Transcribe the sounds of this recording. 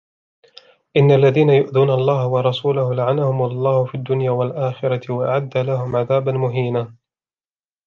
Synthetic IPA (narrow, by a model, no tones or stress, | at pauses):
ʔɪnːaʔlːaðiːnajʊʔðuːnalˤːɑːhawɑɾˤɑsuːlahʊlaʕanahʊmlˤːɑːhʊfiːad̪ːʊnjaːwalʔaːxɪɾˤɑt̪ɪwaʔaʕad̪ːalahʊmʕaðaːbanmʊɦiːnaː